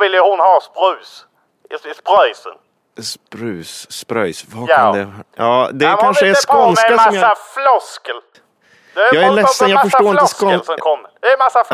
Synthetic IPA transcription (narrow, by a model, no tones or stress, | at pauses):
ɪlːəəhʊnhɑːspɾʉ̟ːs | ɪspɾœjsə̰n | spɾʉ̟ːsːpɾœ̰jsvad̪ɛjɑːd̪ɛkʰanʃəɛspɔnsɛkamaɔsmjaflɔskəl | d̪ɛjɑːɡɾlɛsːənjɑfœʂaoːɾɪnəsskɔsɔmkʰɔmːəd̪ɛɛmasːaf